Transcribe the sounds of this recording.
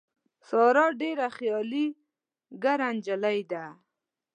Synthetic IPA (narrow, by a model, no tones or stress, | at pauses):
sɑɾɑɖeɾaxjɑli | ɡaɾand͡ʒalajd̪a